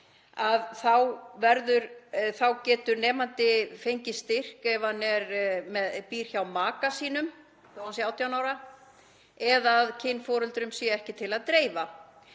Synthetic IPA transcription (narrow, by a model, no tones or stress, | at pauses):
aðθawvɛɾðʏɾθawcɛːt̪ʏɾnɛːmant̪ɪfejɲcɪst̪ɪr̥kɛvanɛɾmɛðpiːr̥çawmaːkasiːnʏm | oansjawt̪ʰjawnaːwɾa | ɛðaðcʰɪnːfɔːɾʏlt̪ɾʏmsjɛɛhcɪt̪ʰɪlaðt̪ɾeːjva